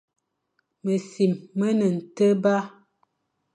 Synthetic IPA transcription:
mə˨si˨mːə˦nə˨n̩˨tə˦ba˦

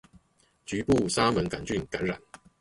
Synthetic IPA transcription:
t͡ɕy˨˥pu˥˨sa˥mə˨˦nka˨˩nt͡ɕy˥˨nka˨˦nɻa̰˨˩˦n

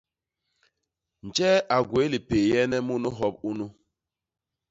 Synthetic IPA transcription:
n̩˨d͡ʒɛ˦a˨ɡwe˨˦li˨pe˨jɛ˦nɛ˦mu˦nu˦ɦɔ˦p̚u˦nu˦

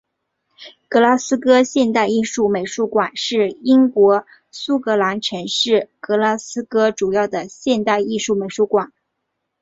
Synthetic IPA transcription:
kɤ˧˥la˥sɹ̩˥kɤ˥ɕjɛ˥˧nt̪a˥˧ɪi˥˧ʂu˥˩me˨˩ɪʂu˥kwa˨˩nʂɻ̩˥˩i˥ŋkwɔ˧˥ | su˥kɤ˧˥la˧˥nʈ͡ʂʰɤ˧˥ŋʂɻ̩˥˩kɤ˧˥la˥sɹ̩˥kɤ˥ʈ͡ʂu˨˩jɑ˥˩ʊd̪ə˩ɕjɛ˥˧nt̪a˥˧ɪi˥˧ʂu˥˩me˨˩ɪʂu˥˩kwa˨˩˦n

